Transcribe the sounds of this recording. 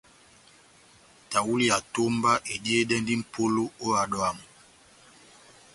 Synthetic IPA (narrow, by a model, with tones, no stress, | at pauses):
ta˨wu˦li˦a˨to˦mba˦ʔe˨di˦e˦dɛ˦n˦di˦m̩˨pʰo˦lo˦o˦a˨ɗɔ˦a˦˨mu˨